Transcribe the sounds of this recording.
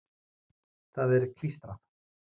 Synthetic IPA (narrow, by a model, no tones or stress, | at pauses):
θaðɛɾkʰlist̪ɾað